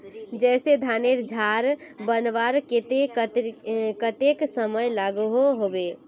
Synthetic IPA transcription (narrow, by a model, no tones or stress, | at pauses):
d͡ʒɛsed̪ʱaneɾd͡ʒʱaɾbənʋaɾket̪e | kət̪eksəməjlaɡuɦoɦobe